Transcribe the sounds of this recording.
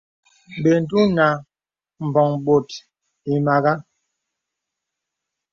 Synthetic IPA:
be˨n̩˨tu˦na˨ | m̩˨bɔ˨ŋɓo˨t | i˨ma˨ɣa˦

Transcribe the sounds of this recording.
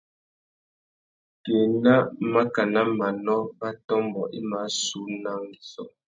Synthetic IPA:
keː˨na˦ma˦ka˨na˦ma˨nɔ˦pa˦tɔ˦m˦bɔ˨ʔi˦ma˨˦su˨˦na˦ŋ˦ɡi˨sɔ̰˦

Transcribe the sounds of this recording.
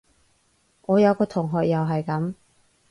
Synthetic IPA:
ŋɔː˨˧jɐ˨˧wkɔː˧t̪ʰʊ˨˩ŋɦɔː˨k̚jɐ˨wɦɐ˨jkɐ˨˥m

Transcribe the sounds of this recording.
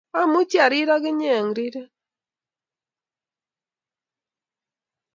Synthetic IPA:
a˦mʊ˦t͡ʃja˨ɾi˦ɾa˦ɡɪ˦ɲɛ˨ŋɾi˦ɾe˦

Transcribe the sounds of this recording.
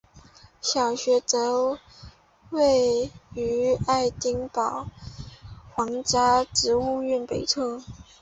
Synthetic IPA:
ɕjɑ˨˩ʊɕɥɛ˧˥t͡sɤ˧˥ | we˥˧ɪy˧˥a˥˩ɪt̪i˥ŋpɑ˨˩ʊ | xwɑ˧˥ŋt͡ɕja˥ʈ͡ʂɻ̩˧˥u˥˧y˥˩npe˨˩ɪt͡sʰɤ˥˩

